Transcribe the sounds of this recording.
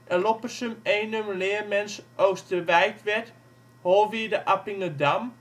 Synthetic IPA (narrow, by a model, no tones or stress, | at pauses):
ʔəlopəsəmeːnømlɪːərmɛnsʔoːstəʋɛjtʋɛt | holˠʋiːdəʔapɪŋədam